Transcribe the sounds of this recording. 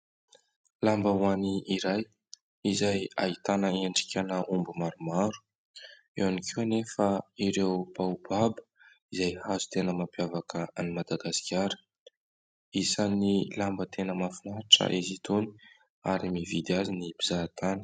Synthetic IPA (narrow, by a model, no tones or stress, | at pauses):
lambəwaniiɾaj | izaja̰it̪anəeɳɖ͡ʐi̥kʲanəʔumbumaɾumaɾu̥ | ḛwanikʰenefəiɾewbaub̥abə̥ | izajhazu̥t̪enəmapjavakəanimad̪aɡasi̥kʲaɾə̥ | isanilambət̪ʰenəmafinaʈ͡ʂə̰ʔizit̪uni̥ | a̰ɾimivid̪iazinibizat̪ʰani̥